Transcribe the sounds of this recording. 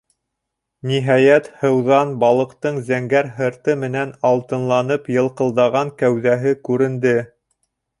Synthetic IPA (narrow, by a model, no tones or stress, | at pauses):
niɦɑjæt̪hɤ̆wðɑnbɑlˠɤ̆qt̪ɤɴzæŋɡæɾɦɤ̆ɾt̪ɤmɘ̆nænɑlˠt̪ɤ̆nlˠɑnɤpjɤ̆lˠqɤ̆lˠd̪ɑʁɑŋkæwðæɦɘkʉɾɘ̆nd̪ɘ